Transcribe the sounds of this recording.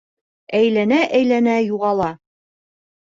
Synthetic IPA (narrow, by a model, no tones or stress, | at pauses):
æjlænæʔæjlænæjuʁɑlˠɑ